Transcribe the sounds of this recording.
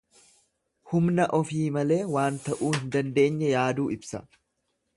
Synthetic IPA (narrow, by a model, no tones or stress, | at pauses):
hʊmnɐʔɔfiːmɐle̞ːwaːnt̪ɐʔuːhɪnd̪ɐnd̪e̞ːɲːɛjaːd̪uːɪbsɐ